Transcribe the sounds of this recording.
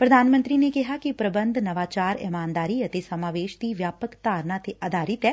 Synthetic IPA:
pɾəd̪ʱaːnmə̃nt̪ɾinekɪɦaːkipɾəbə̃nd̪ʱnɐʋaːt͡ʃaːɾɪ̰maːnd̪aːɾiɐt̪esəmaːʋeːʃd̪iʋjaːpəkt̪aːɾnãːt̪eʔad̪ʱaːɾɪt̪ɛː

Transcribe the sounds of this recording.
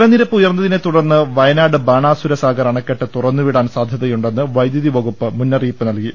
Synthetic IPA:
ɾɐniɾɐpːujɐrnːɐðinet̪uɽɐrnːɨʋɐjɐnaːɽɨbaːɳaːsuɾɐsaːɡɐrɐɳɐkːeʈːɨt̪urɐnːuʋiɽaːnsaːd̪ʱjɐðɐjuɳɖe̞nːɨʋɐjd̪jɐðiʋɐɣupːɨmunːɐriːpːɨnɐlki

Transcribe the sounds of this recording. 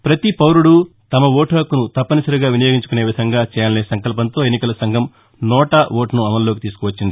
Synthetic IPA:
pɾɐt̪ipɐwɾuɽut̪ɐmɐʋoːʈaːkunut̪ɐpːɐnusɐɾuɡaːʋinɐjo̞ːɡiɲt͡ʃukune̞ːʋid̪ʱɐŋɡaːt͡ʃɛːjalneːsɐŋkɐlp̬ɐnt̪o̞ːe̞nːikɐlɐsɐŋɡʱɐm | nɔːʈɐʋoːʈɐnuɐmɐnlo̞ːkit̪iːsu̥kuʋɐt͡ʃːind̪i

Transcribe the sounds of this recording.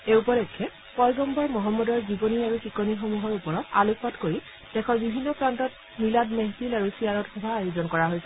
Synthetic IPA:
eupɔlɛkʰːɛ | pɔjɡɔmbʱɔɹmɔɦɔmːɔdɔɹzibɔniaɹuxikɔnixomuɦɔɹupɔɹɔta̰luk̚patkoɹi | d̥ɛkʰɔnbibʱinːɔpɹantɔt̚ | miladmeɦtilaɹusiaɹɔtxɔbʱaːjuzɔnkɔɹaɦojsɛ

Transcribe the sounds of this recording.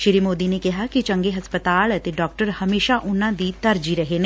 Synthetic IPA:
ʃɪɾiːmoːd̪inekɪɦaːkit͡ʃə̃ŋɡeːɦəspət̪aːlət̪eɖɔːk̚ʈəɾhəmeːʃaʔʊnãːd̪it̪əɾd͡ʒiːɾəɦeneː

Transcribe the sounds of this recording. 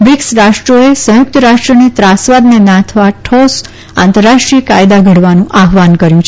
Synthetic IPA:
ʋɪksɾaʃʈɾoesə̃jʊk̚t̪əɾaʃʈɾənit̪ɾasʋad̪nenãt̪ʰʋaʈʰos | ã̰nt̪əɾːaʃʈɾiəkajd̪aɡʱəɽʋanũʔaɦʋankəɾjũt͡ʃʰ

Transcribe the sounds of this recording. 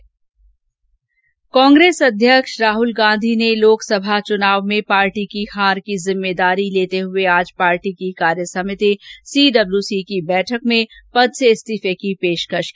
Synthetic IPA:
kɔ̃ːŋɡɾeːsɐd̪ʱjəkʃɾaːɦʊlɡãːnd̪ʱineloːksɐbʱat͡ʃʊnaːʋmẽpaːɾʈikihaːɾkizɪmːeːd̪aːɾileːt̪eɦʊeaːd͡ʒpaːɾʈikikaːɾjəsɐmɪt̪isiːɖɐbljusikibɛːʈʰəkmẽpɐd̪sesʈ̪ifekipeːʃkəʃkː

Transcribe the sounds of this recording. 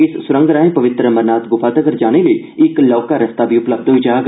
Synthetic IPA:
ɪssʊɾə̃ŋɡɾaːɦẽpɐʋɪt̪ɾəməɾnaːt̪ɡʊfʰaːt̪əɡəɾd͡ʒaːɽ̃eləi | ɪklɔːkaɾɐst̪aːbʱiʊpləb̚d̪oid͡ʒaɦɡ

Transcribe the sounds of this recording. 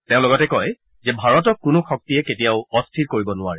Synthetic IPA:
tẽʊ̃lɔɡɔtɛkɔj | zɛbʱaɹɔtɔkːʊnʊxɔk̚tijɛketijaʊɔstʰiɹkoɹibɔnʊaɹɛ

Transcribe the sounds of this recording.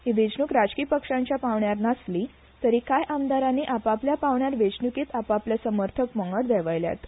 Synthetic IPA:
ɦiʋed͡ʑnuːkɾad͡zkiːpəkʂãɲt͡ɕjapaʋɳjaɾnasliː | t̪əɾiːkajʔamd̪aɾaniːʔapapljapaʋɳjaɾʋed͡ʑnukiːt̪apapljasəməɾt̪ʰəkməŋɡəɽd̪ɛʋəjlja̰t̪

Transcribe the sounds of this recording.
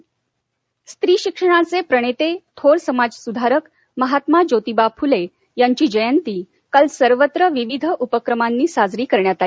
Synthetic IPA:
st̪ɾiːɕikʂəɽ̃at͡sepɾəɽ̃et̪et̪ʰoɽsəmad͡zsud̪ʱaɾək | məɦat̪mad͡ʑot̪ibapʰule | jaɲt͡ɕiːd͡ʑəjənt̪iː | kalsəɾʋət̪ɾəʋiʋid̪ʱəʔupəkɾəmanːiːsad͡zɾiːkəɾɳjat̪ali

